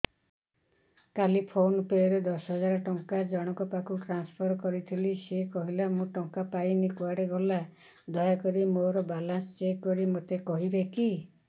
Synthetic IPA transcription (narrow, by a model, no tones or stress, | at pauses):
kalipʰonupeɔɾed̪ɔsɦɔd͡ʒaɾɔʈɔŋkad͡ʒɔɽ̃ɔkɔpakʰuʈɾanspʰɔɾkɔɾit̪ʰilisekɔɦilamũʈɔŋkapajnikuaɽeɡɔla | d̪ʱɔjakɔɾimoɾɔbalanst͡ʃekkːɔɾimot̪ekɔɦibeki